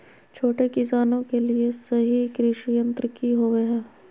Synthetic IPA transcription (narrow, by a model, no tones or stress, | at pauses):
t͡ʃʰoːʈekɪsaːnõkeliesɐɦikɾɪʃijə̃nt̪ɾəkiɦoːʋeɦɛ̃ː